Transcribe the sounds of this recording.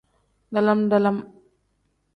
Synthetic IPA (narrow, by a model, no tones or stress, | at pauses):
d̪ɐlɐmd̪ɐlɐm